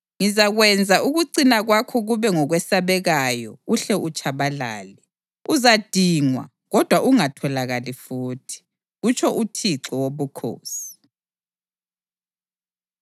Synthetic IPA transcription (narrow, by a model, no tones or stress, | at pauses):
ŋizaɣwɛnd͡zʱaʔuɣuǀinaɣwakʰɔɣuβɛŋɔɣwɛsaβɛɣajɔ̰uɬɛʔut͡ʃʰʼaβala̰ːlɛ | uzad̥ʱiːŋwa̰ | ɣɔd̥ʱwaʔuŋatʰɔlaɣalifuːtʰi̥ | ɣut͡ʃʰɔʔutʰiǁɔwoβukʰo̰ːsi̥